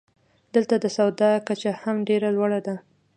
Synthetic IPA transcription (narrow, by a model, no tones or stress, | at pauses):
d̪̥əlt̪ad̪əsawd̪ɑkat͡ʃahamɖeɾalwaɽad̪a